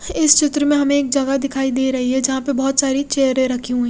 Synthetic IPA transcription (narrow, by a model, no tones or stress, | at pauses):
ɪst͡ʃɪt̪ɾəmẽɦɐmẽeːk̚d͡ʒɐɡad̪ɪkʰaːid̪eːɾɐɦiɦɛd͡ʒɐɦãpɐbɔɦːt̪saːɾit͡ʃeːɦɾẽɾɐkʰiũɦɛ̃ː